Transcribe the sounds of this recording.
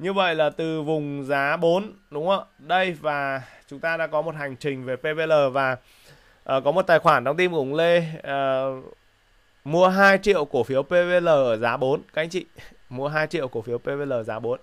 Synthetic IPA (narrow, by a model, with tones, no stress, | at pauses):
ɲɨ˧və̰˧˨jlaː˨˩t̪ɨ˨˩vʊ˨˩ŋ͡mzaː˨˦ɓo˨˦nɗʊ˨˦ŋ͡mə˧˩ɗə˧jvaː˨˩t͡ɕʊ˨˦ŋ͡mt̪aː˧ɗa̰ː˧˥kɔ˨˦mo˨˩t̚ha˨˩jŋ̟t͡ɕï˨˩ŋ̟ve˨˩pe˧ve˧ləː˨˩vaː˨˩ | ʔəː˨˩kɔ˨˦mo˨˩t̚t̪aː˨˩jxwaː˧˩nɗa˨˧wŋ͡mt̪i˧mɣʊ̰˧˩ŋ͡mle˧ə˨˩ | mu˧əɦaː˧jt͡ɕḭ˧˨ə˨wku˧˩əfi˨˦əwpe˧ve˧ləː˨˩ʔəː˧˩zaː˨˦ɓo˨˦nka˨˦ŋt͡ɕḭ˧˨ | mu˧əɦaː˧jt͡ɕḭ˧˨əwku˧˩əfi˨˦əwpe˧ve˧ləː˨˩zaː˨˦ɓo˨˦n